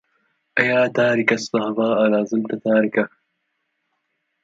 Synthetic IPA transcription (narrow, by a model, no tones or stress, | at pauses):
ɐjaːt̪aːɾikɐst̪ɐɦɐvaːaɾaːzɪmt̪ɐt̪aːɾikɐ